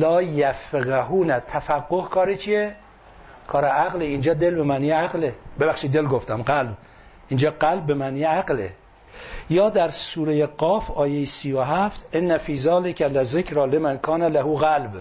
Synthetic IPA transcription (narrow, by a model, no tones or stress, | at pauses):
lɒːjæfeɣaɦuːnæt̪ʰæfæɡːohkʰɒːɾet͡ʃʰije | kʰɒːɾeʔæɣleind͡ʒɒːd̪elbemænijeæɣlebeβæxʃid̪elɡoft̪æmɡælb̚ | ʔind͡ʒɒːɡælb̚ːemæniːjaɡlḛ | jɒːd̪æɾsuːɾejeɡɒːfɒːjejesiːjoɦæft̪ʔenːæfiːzɑːlekʰælezekɾɑːlemænkʰɒːnælahuɣælb